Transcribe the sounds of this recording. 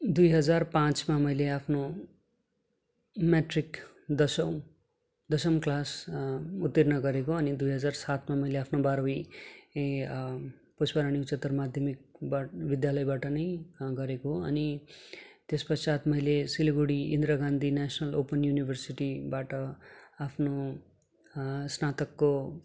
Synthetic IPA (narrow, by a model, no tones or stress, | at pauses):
d̪ujɦʌd͡zarpãt͡smamʌjleapʰno | meʈrik | d̪ʌsʌ | d̪ʌsʌmklas | ut̪ːirnʌɡʌɾekoʌnid̪ujɦʌd͡zarsat̪mamʌjleapʰnobaɾoi | pospʌɾaɽ̃iut͡sʌt̪ːʌrmad̪ʱjʌmik̚babid̪jalʌjbaʈʌnʌjɡʌɾekoɦoʌ̰ni | t̪espʌsat̪mʌjlesilɡuɽiḭnd̪ɾaɡand̪ʱinasnʌlopʌnjunibʱʌrsiʈibaʈʌapʰno | snat̪ʌkːo